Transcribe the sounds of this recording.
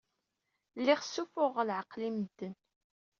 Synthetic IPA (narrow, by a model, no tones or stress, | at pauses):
lːiχsːufʊʁlʕəqliməd̪ːən